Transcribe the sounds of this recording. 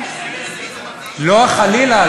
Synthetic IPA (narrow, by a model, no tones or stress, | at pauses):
loaχalila